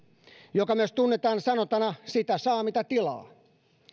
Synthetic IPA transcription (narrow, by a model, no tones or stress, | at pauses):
jokɑmyøst̪unːet̪ɑːnsɑnot̪ɑnɑsit̪æsɑːmit̪æt̪ilɑ̰ː